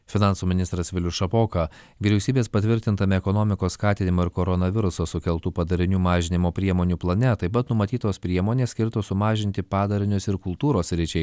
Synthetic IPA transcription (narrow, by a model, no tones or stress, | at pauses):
fʲɪnɑˑnsuːmʲɪnʲɪst̪ɾɐsʋʲɪlʲʊʃɐpoːkɐ | ʋʲiːɾʲɛʊsʲiːbʲeːspɐt̪ʲʋʲɪɾʲt̪ʲɪnt̪ɐmʲɛɛkɔnoːmʲɪkoːsskɑːt̪ʲɪnʲɪmoːɪɾkoːɾɔnɐʋʲɪɾʊsosʊkʲɛlˠˑt̪uːpɐd̪ɐɾʲɪnʲuːmɑːʒʲɪnʲɪmoːpʲɾʲiɛmoːnʲuːplˠɐnʲɛt̪ɐɪpɐt̪nʊmɐt̪ʲiːt̪oːspʲɾʲiɛmoːnʲeːsʲkʲɪɾt̪oːsʊmɑːʒʲɪnʲt̪ʲɪpɑːd̪ɐɾʲɪnʲʊsɪɾkʊlˠt̪uːɾoːsɾʲɪt͡ʃʲɛɪ